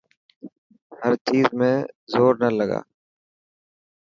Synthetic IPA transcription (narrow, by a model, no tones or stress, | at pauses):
həɾt͡ʃiːzmẽzoːɾnələɡa̰ː